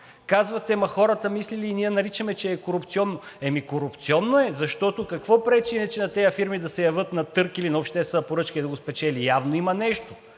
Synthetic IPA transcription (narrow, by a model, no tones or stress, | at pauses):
kazvɐt̪ɛmɐxɔɾɐt̪ɐmisliliːniɛnɐɾit͡ʃɐmɛt͡ʃɛːkoɾupt̪siɔnːoɛmikoɾupt̪siɔnːoɛzɐʃt̪ɔt̪okɐkvɔpɾɛt͡ʃinɛt͡ʃɛnɐt̪ɛjəfiɾmid̪ɐsɛjɐvɤt̪nɐt̪ɤɾkilinɐopʃt̪ɛst̪vɛnəpoɾɤt͡ʃkəid̪ɐɡospɛt͡ʃɛlijavnoimɐnɛʃt̪o